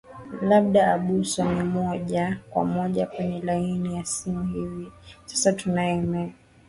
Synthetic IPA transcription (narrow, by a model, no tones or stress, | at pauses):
laɓ̚ɗaːɓuswanimɔʄakwa̰mɔʄapɛɲɛlainijasimuhivisḁsatunaɛmɛ